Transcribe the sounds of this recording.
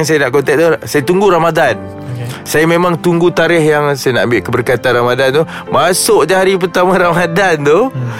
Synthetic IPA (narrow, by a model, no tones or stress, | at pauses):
ŋsajanaʔkɔnt̪ɛʔ̚t̪ohsajat̪uŋɡuɾamadan | sajamẽmãŋt̪uŋɡut̪aɾɪhjaŋsajana̰ʔambɪʔkəbərkat̪anramadant̪ʊh | masʊʔdaaɾip̬ərt̪amãɾamadant̪ʊh